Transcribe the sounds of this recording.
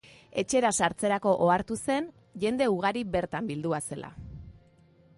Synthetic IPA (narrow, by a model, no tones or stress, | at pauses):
e̞t͡ʃe̞ɾasaɾt͡se̞ɾako̞ʔoaɾt̪use̞n | ʝe̞nd̪e̞uɣ̞aɾiβe̞ɾt̪ambild̪uase̞lʔa̰